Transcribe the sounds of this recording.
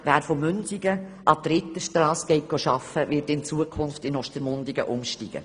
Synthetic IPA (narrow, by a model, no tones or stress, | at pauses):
ʋæːɾfomʏnsiɡəʔɑt̪ɾɪtəʃtɾɑːsɡ̥ɛɪt̚ɡ̥oʃɑfəʋɪtɪnt͡suəkʰʊnftɪnɔʃtəɾmʊndɪɡə̰ʔʊmʃtiɡ̥ə̰